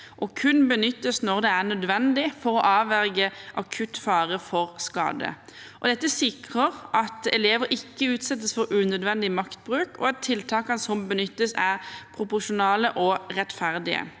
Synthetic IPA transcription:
ʔɔkʰʉnbənʏt̪ːəsnɔʁd̪ɛæʁnœd̪ʋɛnd̪ɪfɔʁɔʔɑːʋæɾɡəʔɑkʰʉt̪fɑːʁəfɔʁskɑ̰ːd̪ə̰ʔɔd̪ɛt̪ːəsɪkʁəʁʔɑt̪ɛleːʋəɾɪkːəʉːt̪sɛt̪ːəsfɔʁʉːnœd̪ʋɛnd̪ɪmɑkt̪̚bʁʉːkɔ̰ɛt̪ʰːɪlt̪ʰɑːkɑnsɔmbənʏt̪ːəsæʁpʰɾʊpʊʃʊnɑːləʔɔʁɛt̪fæʁd̪ɪə̰

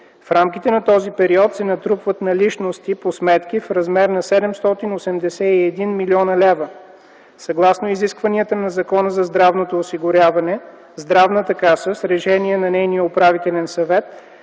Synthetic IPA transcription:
fɾamk̟it̪ɛnɐt̪ɔzipɛɾiɔt̪sɛnɐt̪ɾupvət̪nɐliʃnost̪iposmɛt̪kifɾɐzmɛɾnɐsɛd̪ɛmst̪ɔt̪inosɛmd̪ɛsɛiɛd̪inmiliɔnɐlɛvə | sɐɡlˠasnoiziskvɐniət̪ənɐzɐkɔnəzɐzd̪ɾavnot̪oːsiɡʊɾʲjavɐnɛ | zd̪ɾavnət̪ɐkasəsɾɛʃɛniɛnɐnɛjnijəopɾavit̪ɛlʲɛnsɐvɛt̪

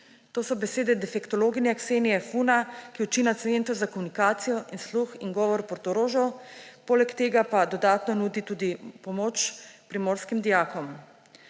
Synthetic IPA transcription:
t̪oːsɔbɛseːd̪ɛd̪ɛfɛkt̪ɔloːɡinɛakseːniɛfunakiut͡ʃiːnat̪sent̪ɔzakomunikaːt̪sijɔʔinsluxinɡɔːʋɔɾpɔɾt̪ɔɾoːʒɔ | poːlɛkt̪eːɡapad̪ɔd̪aːt̪nɔnuːd̪it̪uːd̪ipɔmoːt͡ʃpɾimoːɾskimd̪ijaːkɔm

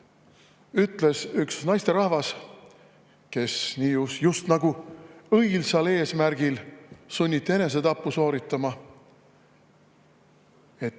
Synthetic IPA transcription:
yt̪ˑle̞syksnɑjst̪e̞ɾɑhvɑs | ke̞sniːusjust̪nɑɡuɤjlsɑle̞ːsmæɾɡ̥ilsunʲːit̪ːe̞ne̞s̬e̞t̪ɑpːuso̞ːɾit̪ːˑɑmɑ | e̞t̪ː

